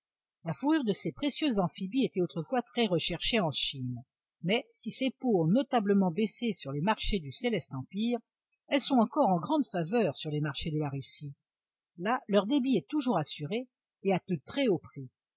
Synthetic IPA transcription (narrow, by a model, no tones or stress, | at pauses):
lafuʁyʁd̪əsepχesjøzːɑ̃fibiet̪ɛot̪χəfwat̪χɛʁəʃɛʁʃeɑ̃ʃin | mɛsisepoɔ̃nɔt̪abləmɑ̃besesyʁlemaʁʃed̪yselɛst̪ɑ̃piːʁ | ɛlsɔ̃tɑ̃kɔʁɑ̃ɡʁɑ̃d̪favœʁsyʁlemaʁʃed̪əlaʁysi | lalœʁd̪ebiɛt̪uʒuʁasyʁeː | at̪ut̪χɛopχi